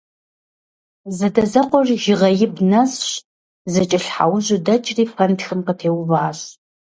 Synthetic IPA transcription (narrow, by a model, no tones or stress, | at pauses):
zɐdɐzɐqʷɔrʒɪʁɐjɪbnɐsɕ | zɐt͡ʃʼɪɬħa̰wʑʊdɐt͡ʃʼriːpʰɐntxɨmqətʰeːwvaːɕ